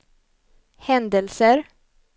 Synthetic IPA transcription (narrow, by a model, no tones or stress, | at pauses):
hɛnd̪əlsəɾ